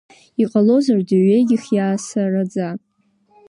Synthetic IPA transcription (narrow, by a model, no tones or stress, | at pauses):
iqʼalo̞zardɨɥe̞jɡʲɪχjaːsarad͡za